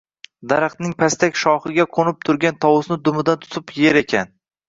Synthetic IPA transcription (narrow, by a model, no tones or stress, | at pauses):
d̪aɾɑqt̪nɪŋpʰast̪ʰakʲʃɒχɪɡʲaqʰonɪp̚t̪ʰʊɾɡʲant̪ʰɒwʊsnɪd̪ʊmɪd̪ant̪ʰʊ̥t̪ʰɪpjeɾe̞kʲʰan